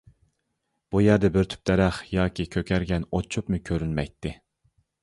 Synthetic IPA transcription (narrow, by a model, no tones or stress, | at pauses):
b̥ujæɾd̪ɛbɪɾt̪ʰy̥p̚d̪ɛɾæχjɑːkʲʰikʲʰøkʲʰæɾɡʲɛnot͡ʃʰːupmʊkʲʰøɾynmɛ̰jt̪ʰːɪ